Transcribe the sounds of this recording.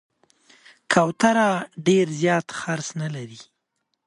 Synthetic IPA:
kʰawt̪aɾaɖeɾzjɑt̪xaɾsnalaɾi

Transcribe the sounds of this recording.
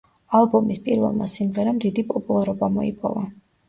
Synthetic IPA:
alˠbɔmispʼiɾvɛ̰lˠma̰simʁɛɾamd̪id̪ipʼɔpʼulˠaɾɔbamɔipʼɔ̰va

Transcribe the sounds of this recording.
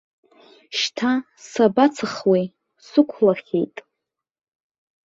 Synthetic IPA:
ʃtʰa | sabat͡sʰɨχwej | sɨkʷʰlaχʲḛjtʼ

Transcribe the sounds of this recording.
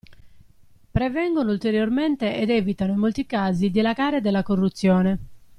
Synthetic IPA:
pɾɛvɛŋɡonoult̪eɾjorment̪eʔɛd̪ɛːvit̪anoimːolt̪ikaːzid̪ilaɡaːɾed̪elːakorːut̪sːjɔːne

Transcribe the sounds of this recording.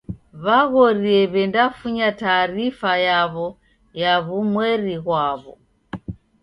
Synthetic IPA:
βaɣɔɾiɛβɛndafuɲataːɾifajaβɔ | jaβumwɛɾiɣwaβɔ̰

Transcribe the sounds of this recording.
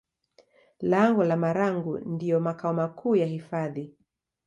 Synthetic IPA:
laŋɡɔlamaɾaŋɡundiɔmakaɔmakʰuːjahifaði

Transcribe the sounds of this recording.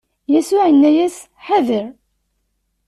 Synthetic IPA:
jæsʊʕənːæjæs | ħaðəɾ

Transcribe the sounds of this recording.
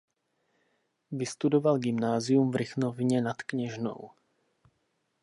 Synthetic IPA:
vɪst̪udovalɡɪmnaːzɪjumvɾɪxnovɲɛnat̪kɲɛʒno̰w

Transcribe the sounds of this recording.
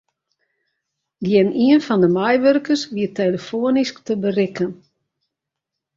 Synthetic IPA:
ɡjɪniənfɔndəmɛjʋørkərsʋiəteləfoənisktəbərɪkən

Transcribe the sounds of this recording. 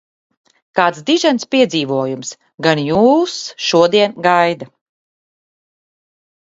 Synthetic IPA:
kaːt̪sd̪iʒɛnspiɛziːvuɔjums | ɡanjuːsʃuɔd̪iɛnɡajd̪a

